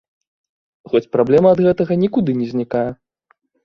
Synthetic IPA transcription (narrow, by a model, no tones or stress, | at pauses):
xɔt͡sʲpɾablʲɛmɐːd̪ɣɛt̪ɐɣɐnʲikud̪ɨnʲɛzʲnʲikajɛ